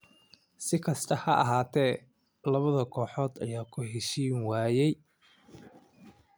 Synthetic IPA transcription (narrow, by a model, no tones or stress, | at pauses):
sɪkʰɐst̪ʰɐhɐʔɐ̰ɦaːt̪ʰɛː | lɐβɐðɐkʰɔːħɔːd̪ɐ̰jaːkʰʊɦɛʃiːnwaːjɛj